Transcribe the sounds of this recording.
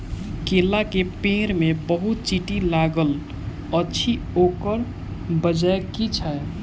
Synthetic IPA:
kelakepẽɾmebəɦut̪̚t͡ʃiʈilaɡəl | ətːt͡ʃʰi | okəɾ | bəd͡ʒaekit͡ʃʰə

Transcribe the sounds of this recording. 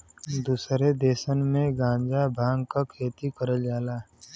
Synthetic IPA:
d̪uːsɾed̪eːsənmẽɡãːnd͡ʒabʱaːŋkakʰeːt̪ikəɾəd͡ʒaːlaː

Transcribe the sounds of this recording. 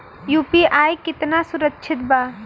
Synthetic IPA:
juːpiʔaːjkɪt̪nasʊɾəkːt͡ʃʰɪt̪̚ba

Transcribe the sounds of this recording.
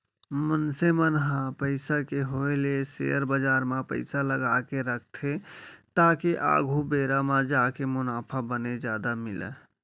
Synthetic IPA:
mənsemənɦãpəɪsakeɦolesḛəɾbəd͡ʒaɾmapə̰ɪsaləɡakeɾəkʰt̪ʰet̪akeʔa̰ɡʱubeɾamad͡ʒakemʊnapʰabəned͡ʒad̪amilə̰

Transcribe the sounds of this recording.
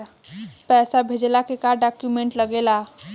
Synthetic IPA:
pɛːsabʱed͡ʒlakekaɖakjumẽɳʈləɡela

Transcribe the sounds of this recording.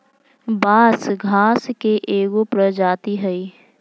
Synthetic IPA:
baːsɡʱaːskeʔeːɡopɾəd͡ʒaːt̪iɦɛi

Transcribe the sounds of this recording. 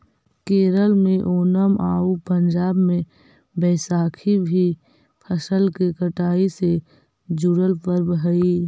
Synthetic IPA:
keːɾəlmẽʔoːnəmʔa̰ːupə̃ɲd͡ʒaːbmẽ | bɛːsaːkʰibʱi | pʰəsəlkekəʈaːise | d͡ʒʊɽəlpəɾbɦəiː

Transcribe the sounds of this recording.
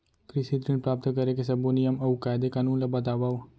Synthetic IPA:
kɾɪsit̪ɾɪnpɾaːp̚t̪kəɾekesɐbonɪjəmɐukaːjd̪ekaːnũːnlabət̪aːʋaːo

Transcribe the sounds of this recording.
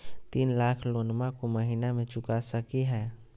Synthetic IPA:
t̪iːnlaːkʰloːnmãkoməɦiːnamẽt͡ʃʊkasəkiɦɛː

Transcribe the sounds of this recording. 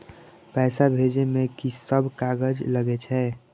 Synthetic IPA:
pɛːsabʱeːd͡ʒemẽkisəbkaɡəd͡ʒləɡet͡ʃʰɛː

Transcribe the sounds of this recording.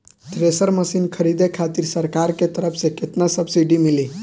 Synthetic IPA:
ʈ̪ɾesəɾməsinkʰəɾid̪ekʰat̪iɾsəɾkaɾket̪əɾəpʰsẽket̪nasəbsiɖimili

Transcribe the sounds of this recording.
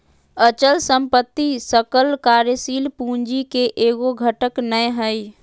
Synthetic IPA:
ət͡ʃəlsəmpət̪ːisəkəlkaːɾjəsiːlpũːɲd͡ʒikeʔeːɡoɡʱəʈəknəjɦəj

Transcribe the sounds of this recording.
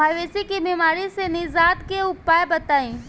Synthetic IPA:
aːʋeːsikibiːmaːɾisenizaːt̪keʊpaːebɐt̪aːĩː

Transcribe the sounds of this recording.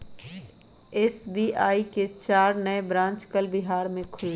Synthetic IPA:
eːsbiaːiket͡ʃaːɾnəebɾãːnt͡ʃkəlbɪɦaːɾmẽkʰʊlːe

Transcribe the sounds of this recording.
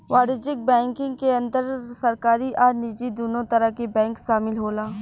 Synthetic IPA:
ʋaːɾɪd͡ʒɪk̚bɛ̃ːŋkɪ̃ŋɡkeɐ̃nd̪əɾsɐɾkaːɾiʔɔːɾniːd͡ʒid̪oːnot̪ɐɾəɦkebɛ̃ːŋkʃaːmɪlɦoːlaː

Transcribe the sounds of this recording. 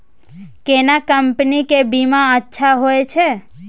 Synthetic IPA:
kenakəmpnikebimãətːʃʰaɦojt͡ʃʰe

